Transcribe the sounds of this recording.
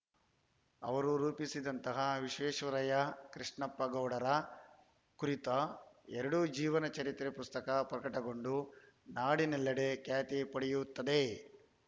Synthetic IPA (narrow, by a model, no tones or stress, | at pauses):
ɐ̰ʋɐɾuɾuːpisid̪ɐnt̪ɐɦɐʋiʃʋeːʃʋɐɾɐjɐkɾiʂɳɐpːɐɡɐwɽɐɾɐ | kuɾit̪ɐɛɾɐɽud͡ʒiːʋɐnɐt͡ʃɐɾit̪ɾepust̪ɐkɐpɾɐkɐʈɐɡoɳɖu | naːɽinɛlːɐɽekjaːt̪ipɐɽejut̪ːɐd̪e̞